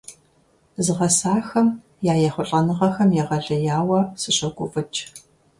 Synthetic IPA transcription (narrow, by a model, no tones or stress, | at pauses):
zɨʁɐsaːxɐm | jaːjɛχʷʊɬʼɐnɨʁɐxɐmjɛʁɐɮɐjaːwɐsɨɕɐɡʷʊfʼɨt͡ʃʰʼ